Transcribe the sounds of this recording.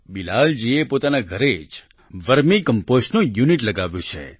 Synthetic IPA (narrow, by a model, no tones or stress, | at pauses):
bilald͡ʒiepot̪anaɡʱəɾed͡ʒ | ʋəɾmikəmpoʃnojuniʈləɡaʋjõt͡ʃʰḛ